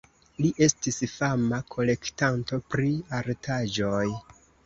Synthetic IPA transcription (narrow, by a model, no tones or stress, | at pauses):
liʔe̞stisfamakʰo̞le̞ktanto̞pɾiaɾtʰad͡ʒo̞j